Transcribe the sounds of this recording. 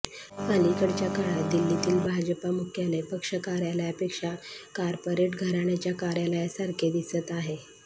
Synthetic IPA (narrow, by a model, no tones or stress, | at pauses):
kəlikəɽt͡ɕjakaɭad̪ilːit̪iːlbʱad͡ʑəpamukʰjanepəkʂəkaɾjalajapekʂakaɾpoɾeʈɡʱəɾaɳ̃jat͡ɕjakaɾjalajasaɾkʰed̪isət̪aɦe